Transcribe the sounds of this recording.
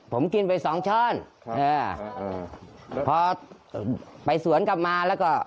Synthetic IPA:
pʰo˩˦mki˧npa˨˧jsɔː˩˦ŋt͡ɕʰɔː˥˩n | ʔɤː˧ | pʰɔː˧ | pa˨˩jsu˨˩˦ənka˨˩p̚maː˧lɛː˦˥wkɔː˥˩

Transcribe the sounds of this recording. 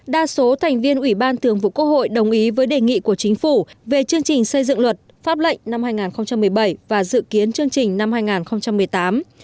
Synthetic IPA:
ɗaː˧so˨˦t̪ʰɛ˨˩jŋ̟vi˧ənʔwi˧˩ɓaː˧nt̪ɨ˨˩əŋvṵ˧˨kə˧ho̰˧˨jɗə˨˩wŋ͡mʔi˨˦vəː˨˦jɗe˨˩ŋḭ˧˨ku˧˩ət͡ɕï˨˦ŋ̟fu˧˩ve˨˩t͡ɕɨ˧əŋt͡ɕï˨˩ŋ̟sə˧jzɨ̰˧˨ŋlwə˨˩t̚faː˦˥p̚lə̰˧˨jŋ̟na˧mhaː˧jŋaː˨˩nxə˧wŋ͡mt͡ɕa˧mːɨ˨˩əjɓə˧˩jvaː˨˩zɨ̰˧˨ki˨˦ənt͡ɕɨ˧əŋt͡ɕï˨˩ŋ̟na˧mhaː˧jŋaː˨˩nxə˧wŋ͡mt͡ɕa˧mːɨ˨˩əjt̪aː˨˦m

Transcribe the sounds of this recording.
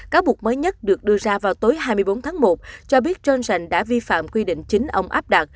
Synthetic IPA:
kaː˨˦wɓu˨˩ək̚məː˨˦jɲə˦˥t̚ɗɨ˨˩ək̚ɗɨ˧əzaː˧vaː˨˩wt̪o˨˦jɦaː˧jmɨ˧əjɓo˨˦nt̪ʰaː˨˦ŋmo˨˩t̚t͡ɕɔ˧ɓi˦˥ət̚t͡ɕə˧nsa˨˩ŋ̟ɗa̰ː˧˥vi˧fa̰ː˧˨mkwi˧ɗḭ̈˧˨ŋ̟t͡ɕï˨˦ŋ̟ʔə˧wŋ͡mʔaː˦˥p̚ɗa˨˩t̚

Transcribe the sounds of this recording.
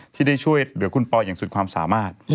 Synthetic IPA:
tʰiː˥˩daː˥˩jt͡ɕʰu˥˩əjɾɯ˩˦kʰu˧npɔː˧jaː˨˩ŋsu˨˩t̪̚kʰwaː˧msa̰ː˩˦maː˥˩t̪̚

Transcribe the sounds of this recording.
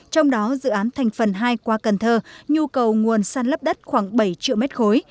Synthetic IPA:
t͡ɕɔ˧wŋ͡mɗɔ˨˦zɨ̰˧˨ʔaː˨˦nt̪ʰa˨˩jŋ̟fə˨˩nɦaː˧jkwaː˧kə˨˩nt̪ʰəː˧ɲu˧kə˨˩wŋu˨˩ənsaː˧nlə˦˥p̚ɗə˦˥t̚xwaː˧˩ŋɓə˧˩jt͡ɕḭ˧˨wmɛ˦˥t̚xo˨˦j

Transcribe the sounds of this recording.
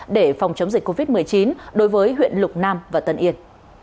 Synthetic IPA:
ɗe˧˩fɔ˨˩wŋ͡mt͡ɕə˨˦wŋ͡mzi˨˩kːo˧vi˦˥t̚mɨ˨˩əjt͡ɕi˨˦nɗo˨˦jvəː˨˦jɦwḭ˧˨ənlʊ˨˩k͡p̚naː˧mvaː˨˩t̪ə˧nʔi˧ən

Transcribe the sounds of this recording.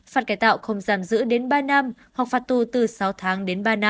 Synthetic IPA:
faː˨˩t̚kaː˧˩jt̪a̰ː˧˨wxə˨˧˩wŋ͡mzaː˧˩mzɨ̰˧˥ɗe˨˦nɓaː˧na˧m | hwa˨˩k̚faː˨˩t̚t̪u˨˩t̪ɨ˨˩sa˨˦wt̪ʰaː˨˦ŋɗe˨˦nɓaː˧na˧

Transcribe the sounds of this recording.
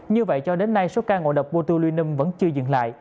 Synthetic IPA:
ɲɨ˧və̰˧˨jt͡ɕɔ˧ɗe˨˦nːa˧jso˨˦kaː˧ŋo̰˧˨ɗə˨˩wk͡p̚ɓo˧t̪u˧lwi˧ənːi˧mvə̰˧˥nt͡ɕɨ˧əzɨ̰˧˨ŋla̰ː˧˨jʔ

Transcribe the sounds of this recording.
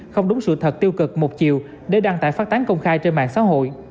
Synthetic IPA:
xə˧wŋ͡mɗʊ˨˦ŋ͡msɨ̰˧˨t̪ʰə˨˩t̚t̪i˧əwkɨ˨˩k̚mo˨˩t̚t͡ɕḭ˧˨əw | ɗe˧˩ɗaː˧ŋt̪a̰ː˧˨jfaː˦˥t̚t̪a˨˦ŋkə˧wŋ͡mxaː˧jt͡ɕe˧nma̰ː˧˨ŋsa̰ː˧˥ɦo̰˧˨j

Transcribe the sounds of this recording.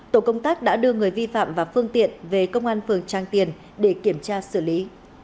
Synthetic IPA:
t̪o˧˩kə˧wŋ͡mt̪aː˦˥k̚ɗa̰ː˧˥ɗɨ˧əŋɨ˨˩əjvi˧fa̰ː˧˨mvaː˨˩fɨ˧əŋt̪ḭ˧˨ənve˨˩kə˧wŋ͡mʔaː˧nfɨ˨˩əŋt͡ɕaː˨˧˩ŋt̪i˨˩ən | ɗe˧˩ki˧˩əmt͡ɕaː˧sɨ˧˩li˨˦

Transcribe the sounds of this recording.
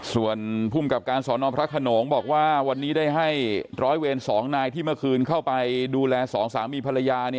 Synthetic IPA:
su˨˩ənpʰuː˥˩mka˨˩p̚kaː˧nsɔː˩˦nɔː˧pʰɾa˦˥kʰːa˧noː˩˦ŋbɔː˨˩k̚waː˥˩wa˧nːiː˦˥daː˥˩jɦa˥˩jɾɔː˦˥jweː˧nsɔː˩˦ŋnaː˧jt̪ʰiː˥˩mɯ˥˩kʰɯː˧nkʰa˥˩wpa˧jduː˧lɛː˧sɔː˩˦ŋsaː˩˦miː˧pʰa˧la˧jaː˧ni˥˩

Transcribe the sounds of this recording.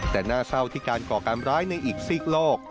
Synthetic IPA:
t̪ɛː˨˩naː˥˩sa˥˩wt̪ʰiː˥˩kaː˧nkɔː˨˩kaː˧nɾaː˦˥jna˧jʔiː˨˩k̚siː˥˩k̚loː˥˩k̚

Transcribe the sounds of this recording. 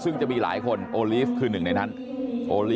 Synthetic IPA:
sɯ˥˩ŋt͡ɕa˨˩miː˧la̰ː˩˦jkʰo˧nʔoː˧liː˦˥˩fkʰɯː˧nɯ˨˩ŋna˧jna˦˥n | ʔoː˧liː˦

